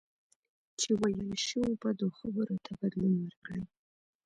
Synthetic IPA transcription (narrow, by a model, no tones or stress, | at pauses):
t͡ʃʰiwajalʃiubad̪oχabəɾotʰabad̪lunwarkɽan